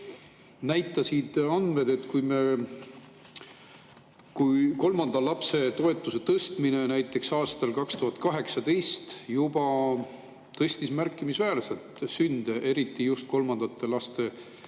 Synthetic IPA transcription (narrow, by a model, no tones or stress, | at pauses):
næjt̪ːˑɑsid̪̥ɑnd̪̥me̞d̪̥e̞t̪ːkujme | kujko̞lmɑnd̪̥ɑlɑpse̞t̪o̞e̞t̪ːˑuse̞t̪ɤst̪mine̞næjt̪ːˑe̞ksɑːst̪ɑlkɑkst̪uɦɑt̪̚ːˑkɑɦe̞ksɑd̪e̞jst̪jubɑ | t̪ɤ̞sʲt̪ismærkːˑimisvæːɾse̞lt̪synd̪̥eʔe̞ɾit̪ːˑijust̪̚ko̞lmɑnd̪̥ɑt̪ːˑe̞lɑst̪e̞